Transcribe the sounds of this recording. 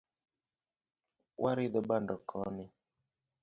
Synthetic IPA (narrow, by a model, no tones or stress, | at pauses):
wʔaɾiðɔɓandɔkʰɔni